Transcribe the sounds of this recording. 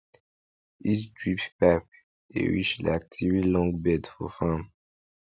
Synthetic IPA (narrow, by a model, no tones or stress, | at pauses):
isdɹippap̚ | ḛɹḭt͡ʃlak̚tʰivilɔ̃ŋɡbɛtfɔ̰fãm